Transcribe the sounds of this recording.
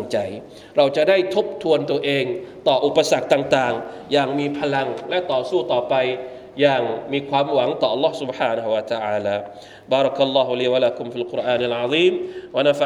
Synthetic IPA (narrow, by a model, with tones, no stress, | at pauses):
ŋt͡ɕa˧j | ɾa˧wt͡ɕa˨˩da˥˩jt̪ʰo˦˥p̚t̪ʰu˧ənt̪u˧ɐəʔeː˧ŋt̪ɔː˨˩ʔu˨˩pːa˧sa˨˩k̚t̪aː˨˩ŋt̪aː˨˩ŋ | jaː˨˩ŋmiː˧pʰa˧la˧ŋlɛ˦˥ʔt̪ɔː˨˩suː˥˩t̪ɔː˨˩pa˧j | jaː˨˩ŋmiː˧kʰwaː˧mwa˩˦ŋt̪ɔː˨˩ʔa˧lːɔː˥hsu˨˦bħaː˧na˧hu˧wa˧t̪a˧ʕaː˧laː˧ | baː˧˩ɾɔ˧kʔa˧lːɔː˧ɦu˧liː˧wa˧la˦ku˧mfiː˧lku˧ɾʔaː˧nʔa˨lʕa˧ðiː˥˩mwa˧na˦˧fa